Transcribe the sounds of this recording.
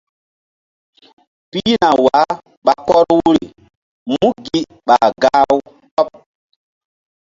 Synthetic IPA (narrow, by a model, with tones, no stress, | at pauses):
pi˦na˨wa˨˦ | ɓa˨kɔ˦ɾwu˦ɾi˨ | mũ˦ɡi˦ | ɓa˨ɡa˦wu˦ | kɔ˦p̚